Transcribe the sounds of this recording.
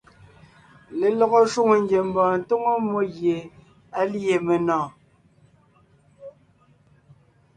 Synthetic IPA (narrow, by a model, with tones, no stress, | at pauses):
le˨lɔ˨ɣɔ˦ʃwu˦˨ŋo˨ŋ˦ɡje˨m̩˨bɔː˨n̩˨to˦ŋo˦mo˦ɣje˨ | a˦li˦e˨me˨nɔ̃ː˨